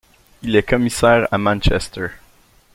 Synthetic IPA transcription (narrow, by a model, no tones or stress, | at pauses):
ilɛkɔmisɛːʁa̰mãnt͡ʃɛst̪ə˞